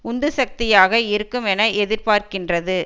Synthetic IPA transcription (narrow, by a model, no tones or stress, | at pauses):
ʊnd̪ɯsɐk̚t̪ɪjaːɣɐɪɾɯkːɯmɛnɐɛðɪɾpaːɾkɪndrɐðɯ